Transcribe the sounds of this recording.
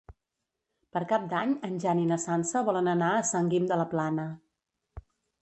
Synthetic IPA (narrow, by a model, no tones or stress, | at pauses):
pəɾkap̚d̪aɲənʲʒaninəsansəβɔlənənaəsəŋɡimd̪ələplanə